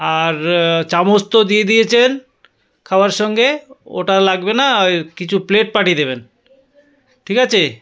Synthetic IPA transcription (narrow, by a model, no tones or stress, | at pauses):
aɾt͡ɕamost̪od̪ijed̪ijet͡ɕʰen | kʰaoaɾʃɔŋɡeo̰ʈalaɡbenakit͡ɕʰupleʈ̚paʈied̪eβen | ʈʰikat͡ɕʰe